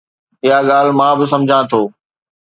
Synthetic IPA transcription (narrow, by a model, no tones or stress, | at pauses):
ɪɦaɠaːl̤mãːbɪs̬ɐ̃md͡ʑʱãt̪ʰoː